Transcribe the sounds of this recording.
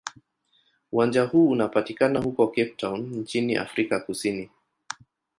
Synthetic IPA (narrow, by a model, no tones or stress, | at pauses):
uwand͡ʒahuːunapatikanahukɔkɛp̚tawnn̩t͡ʃiniʔa̰fɾikakusini